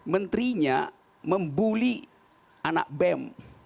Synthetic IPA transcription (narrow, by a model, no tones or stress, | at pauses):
mənt̪ɾiɲa | məmbuli | ana̰k̚bɛm